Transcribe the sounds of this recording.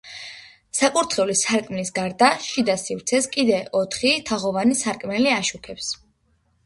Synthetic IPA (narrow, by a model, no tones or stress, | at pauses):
sapʼuɾt̪ʰχɛulisaɾkʼmnisɡaɾd̪aʃid̪asifɾt̪sʰɛskʼid̪ɛɔt̪ʰχit̪ʰaʁɔvanisaɾkʼmɛliaʃukʰɛps